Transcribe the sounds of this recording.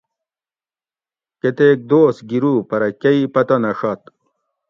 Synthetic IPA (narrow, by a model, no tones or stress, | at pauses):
ket̪ek̚d̪oːsɡiɾupɐɾɐkʲɐipɐt̪ɐnɐʂɐt̪